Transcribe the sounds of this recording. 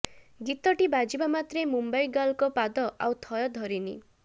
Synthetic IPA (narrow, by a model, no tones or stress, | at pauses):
ɡit̪ɔʈibad͡ʒibamat̪ɾemumbajɡalkɔpad̪ɔʔawt̪ʰɔjɔd̪ʱɔɾinḭ